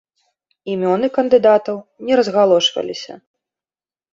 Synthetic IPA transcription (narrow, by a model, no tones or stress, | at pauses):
imʲɔnɨkɐnd̪ɨd̪at̪ɐwnʲɛɾɐzɣalˠɔʂvɐ̰lʲisʲɐ̰